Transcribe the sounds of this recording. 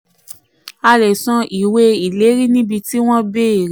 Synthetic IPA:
a˧ɾɛ˨sɔ̃˨˧ʔi˨we˧i˨le˨˦ɾi˦nĩ˦bi˧ti˦w̃ɔ̃˦be˦˨ɾ

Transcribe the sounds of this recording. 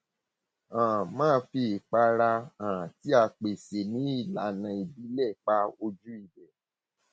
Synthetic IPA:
ã˨mãː˦˨˧fi˧˨k͡pa˧ɾa˧ã˨ã˨ti˨˦a˧k͡pe˨se˨nĩ˨˦i˦˨la˨˦nã˧i˨bi˨˦lɛ˦˨k͡pa˦o˧d͡ʒu˦i˦˨bɛ˨

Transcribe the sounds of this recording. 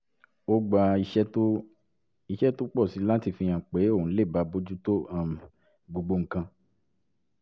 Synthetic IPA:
o˦ɡ͡ba˧i˧ʃɛ˦to˦ | i˧ʃɛ˦to˦k͡pɔ˦˨si˨˦la˦ti˦˧˨fĩ˧j̃ã˨k͡pe˨˦o˦˨ũ˨˦le˦˨ba˨˧˦bo˦d͡ʒu˦to˦a˦˨ | ɡ͡bo˨ɡ͡bo˧ŋ̩˨kã˧

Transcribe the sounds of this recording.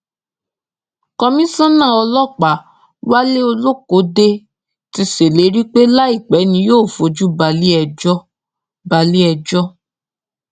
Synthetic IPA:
kɔ˧mĩ˦sã˦nã˦˨ɔ˧lɔ˦˨k͡pa˨˦ | wa˦le˦o˧lo˦ko˨˦de˧ | ti˧se˨le˨˦ɾi˦k͡pe˦la˦i˦˨k͡pɛ˨˦nĩ˧˦joː˦˨fo˨˦d͡ʒu˦ba˧li˦ɛ˧d͡ʒɔ˦ | ba˧li˦ɛ˧d͡ʒɔ˦

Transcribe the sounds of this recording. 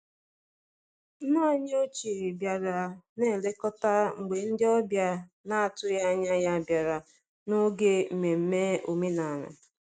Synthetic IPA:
na˦ɲ˦o˦t͡ʃe˨ɾi˨bja˨ɾa˨ne˦˨le˦kɔ˦ta˦ŋ͡m̩˨ɡ͡be˨n̩˦dɪ˦ɔ˦bja˦ | na˦a˨tʊ˦ja˦ɲa˦ja˦bja˨ɾa˨ | no˦ɡe˦m̩˨me˨m̩˦me˦o˨me˦na˨na̰˨

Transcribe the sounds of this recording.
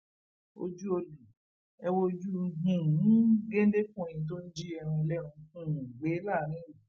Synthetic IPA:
o̰˧d͡ʒu˦o˧lu˨ | ɛ˧wo˧d͡ʒu˦˧˦ɦũ˨ñ̩˨˦ɡẽ˦n˦de˦kũ˦˨j̃ĩ˨t̬o˦n̩˦d͡ʒi˦ɛ˧ɾ̃ũ˧lɛ˦ɾ̃ũ˧hũ˦˨ɡ͡be˨˦laː˦˨˦ɾ̃ĩ˨˦u˨

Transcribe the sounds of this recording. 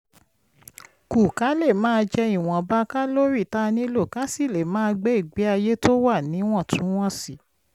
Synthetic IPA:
ku˨ka˨˦le˦˨mãː˦˧d͡ʒɛ˧i˨w̃ɔ̃˨ba˦ka˦lo˦ɾi˦˨ta˦nĩ˦lo˦˨ka˨˦si˦˨le˨mãː˦˧ɡ͡be˨˦i˦˨ɡ͡be˨˦a˧je˦to˦wa˦˨nĩ˨˦w̃ɔ̃˦˨tũ˨˦w̃ɔ̃˦si˨

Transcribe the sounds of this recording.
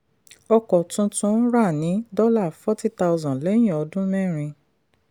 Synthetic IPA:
ɔ˧kɔ˨tũ˧tũ˦ɾa˦˨nĩ˨˦dɔ˦la˦˨fɔ˦ti˦ta˧wzɔ̃˨lɛ˨˦j̃ɔ˧dũ˦mɛ̃˦˨ɾ̃ĩ˧

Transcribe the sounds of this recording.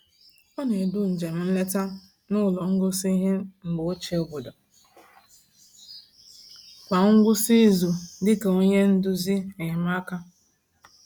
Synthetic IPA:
ɔ˦ne˨dʊ˦n̩˨d͡ʒe˨m̩˨n̩˦le˦ta˦ | nʊ˦˨lɔ˨ŋ̩˦ɡʊ˦si˦ɦe˦ŋ͡m̩˨ɡ͡bo˨˦o˦t͡ʃe˦o˨bo˨dɔ˨ | kʷa˨ŋ̩˦ɡʷʊ˦si˦zu˨dɪ˦ke˨o˦ɲe˦n̩˦dʊ˦zi˦e˨ma˦ka˦

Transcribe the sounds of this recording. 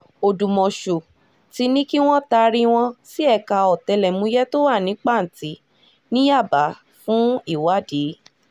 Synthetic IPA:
o˨dũ˨mɔ̃˨ʃo˨ | ti˧˦nĩ˦ki˦w̃ɔ̃˦ta˧ɾi˦˧w̃ɔ̃˧si˦ɛ˧ka˧ɔ˨tɛ˧lɛ˨mũ˨˦jɛ˦to˦wa˦˨nĩ˨˦k͡pa˦˨n̩˨ti˨˦ | nĩ˦ja˦˨ba˨˦ | fũ˦i˦˨wa˨˦de˨˦

